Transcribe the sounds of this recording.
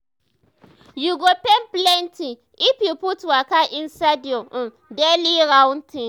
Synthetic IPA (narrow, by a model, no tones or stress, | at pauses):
juɡopɛnplɛntʰi | ipiputwakaʔɪ̃nsadiɔɔ̃n | dɛliɾãwntʰĩŋ